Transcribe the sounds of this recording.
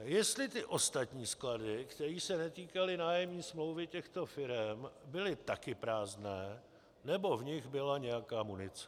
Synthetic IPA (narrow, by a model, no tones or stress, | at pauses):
jɛst̪lɪt̪ɪʔo̞st̪at̪ɲiːskladɪkt̪ɛɾiːsɛnɛt̪iːkalɪnaːjɛmɲiːsmlo̞wvɪcɛxt̪o̞fɪɾɛmbɪlɪt̪akɪpɾaːznɛː | nɛbo̞vɲɪɣbɪlaɲɛjakaːmunɪt͡sɛ̥